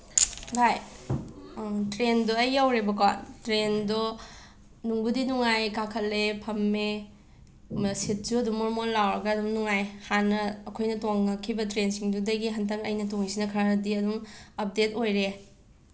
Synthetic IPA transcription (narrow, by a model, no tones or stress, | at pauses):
haj | tɾendɔɐjawɾebɐkantɾendɔ | nuŋbudinuŋajkakʰɐlːepʰɐmːe | mɐsit̚d͡ʒuɐdumoɾmonlawɾɐɡɐːdumnuŋajhanːɐːkʰojnɐtoŋːɐkʰibɐtɾensiŋdudɐɡiɦɐntɐŋɐ̰jnɐtoŋisinɐkʰaɾɐdiɐdumɐp̚detojɾe